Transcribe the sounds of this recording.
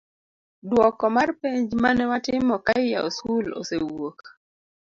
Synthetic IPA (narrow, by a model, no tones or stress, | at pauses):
dwɔkɔmarpeɲd͡ʒmanɛwatɪmɔkaɪja̰oskulo̰sewok